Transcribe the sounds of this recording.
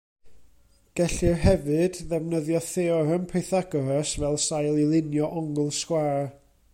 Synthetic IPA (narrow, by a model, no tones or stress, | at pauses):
ɡ̥ɛɬirɦɛvɨdðɛvnəðjɔθeːɔɾəmpʰejθaɡɔɾɛsvɛlˠsajlˠilˠɪnjɔʔɔŋʊlˠskwaːr